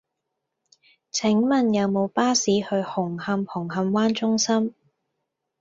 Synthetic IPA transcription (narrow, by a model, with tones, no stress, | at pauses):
t͡sʰɪ˨˥ŋmɐ˨njɐ˨˧wmo˨˧wpaː˥siː˨˧˥hɵ˧ɥhʊ˨˩ŋhɐ˧mhʊ˨˩ŋhɐ˧mwaː˥nt͡sʊ˥ŋsɐ˥m